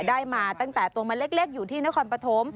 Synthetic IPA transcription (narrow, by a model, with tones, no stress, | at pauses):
daː˥˩jmaː˧t̪a˥˩ŋt̪ɛː˨˩t̪u˧əma˧nle˦˥˩k̚leː˥˩k̚juː˨˩t̪ʰiː˥˩na˦˥kʰɔː˧npɾa˧t̪ʰo˦˥m